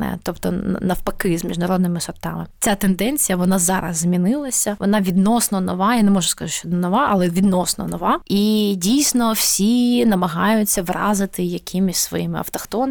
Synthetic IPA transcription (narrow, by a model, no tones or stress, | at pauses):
nɛ̰t̪ɔpt̪ɔ̰nɐwpɐkɪzmʲiʒnɐɾɔd̪nɪmɪsʊrt̪ɑmɪt͡sʲat̪end̪ɛnʲt͡sʲijɐʋɔnɑzɑɾɐ̰zzʲmʲinɪlˠɐsʲɐʋɔ̰nɑʋʲid̪nɔsnɔnɔʋɑjanemɔʒʊskɐuʃɔd̪nɔʋɑʔɐlˠɛʋʲid̪nɔsnɔ̰nɔʋɑidʲijsʲnɔwsʲinɐmɐɦɑjʊt͡sʲːɐʋrɑ̰zɪt̪ɪjɐkʲʰimisʲsʋɔ̰jimɪɐ̰wt̪ɔxt̪ɔn